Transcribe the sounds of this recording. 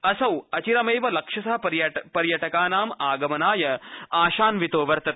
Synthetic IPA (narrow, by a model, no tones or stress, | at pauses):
ɐsɐwɐt͡ʃiɾɐmeːʋɐlɐkʂɐsaːɐɾpɐɾjɐʈɐkaːnaːmaːɡɐmɐnaːjɐaːʃaːnʋit̪oːʋɐɾt̪ɐt̪̚